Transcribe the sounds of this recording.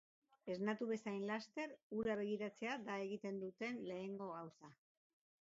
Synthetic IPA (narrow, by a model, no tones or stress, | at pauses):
e̞znat̪uβe̞sajnlast̪e̞ɾuɾaβ̞e̞ɣ̞iɾat͡se̞ad̪ae̞ɣit̪e̞nd̪ut̪e̞nle̞ːŋɡo̞ɣawsa